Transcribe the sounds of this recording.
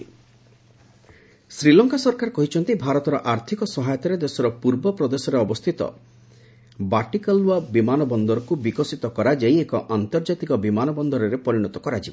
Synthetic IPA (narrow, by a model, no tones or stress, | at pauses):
sɾilɔŋkasɔɾkaɾkɔɦit͡ʃʰɔnt̪ebʱaɾɔt̪ɔɾɔʔaɾt̪ʰikɔsɔɦajɔt̪ɔɾed̪esɔɾɔpuɾbɔpɾɔd̪esɔɾeɔbɔst̪ʰit̪ɔ̰ | baʈikaluabimanɔbɔnd̪ɔɾɔkubikɔsit̪ɔkɔɾad͡ʒaiekɔʔant̪ɔɾd͡ʒat̪ikɔbimanɔbɔnd̪ɔɾɔɾepɔɾiɽ̃ɔt̪ɔkɔɾad͡ʒibɔ